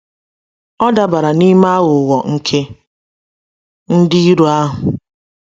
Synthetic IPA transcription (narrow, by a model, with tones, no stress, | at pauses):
ɔ˦da˨ba˨ɾa˨ni˦ma˦ɣʊ˨wɔ˨ŋ̩˦kʰe˦ | n̩˦dɪ˦i˦ɾu˦a˦ɦʊ˨